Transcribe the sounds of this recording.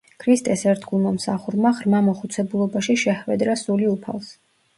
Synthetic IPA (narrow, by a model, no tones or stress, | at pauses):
kʰɾist̪ʼɛsɛɾt̪ʰɡulˠmamsaχuɾmaʁɾmamɔχut̪sʰɛbulˠɔbaʃiʃɛχwɛd̪ɾasuliupʰa̰lˠs